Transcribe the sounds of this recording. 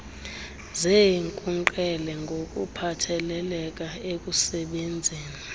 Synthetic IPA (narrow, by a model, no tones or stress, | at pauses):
zeŋkʼuŋǃɛlɛŋɡʱokʼupʰatʰɛlɛlɛk̬ʼaek̬ʼusɛɓend͡zʱeːni